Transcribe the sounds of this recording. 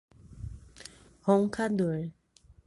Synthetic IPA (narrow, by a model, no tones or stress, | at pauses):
hɔŋkʰad̪uɹ